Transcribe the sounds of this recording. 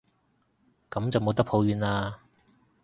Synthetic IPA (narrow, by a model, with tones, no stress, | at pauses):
kɐ˨˥mt͡sɐ˨wmo˨˧wt̪ɐ˥k̚pʰho˨˧wɥyː˨˧naː˧